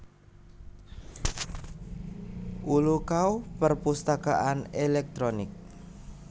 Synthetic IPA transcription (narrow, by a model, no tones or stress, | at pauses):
ʔulukaupərpust̪akaʔanelɛk̚t̪ɾonɪk̚